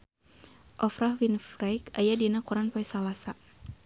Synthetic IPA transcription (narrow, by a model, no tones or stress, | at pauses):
ʔɔfɾahwinfɾajkajadinakuɾanpaisalasa